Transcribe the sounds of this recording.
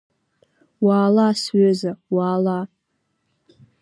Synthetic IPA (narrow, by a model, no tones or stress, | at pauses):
waːlasɥøzawaːla